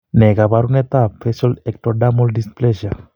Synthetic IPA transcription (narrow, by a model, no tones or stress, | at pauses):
neɡabaɾunet̪apʰesɔlɛk̚ʈɔɖamɔlɖispleʃa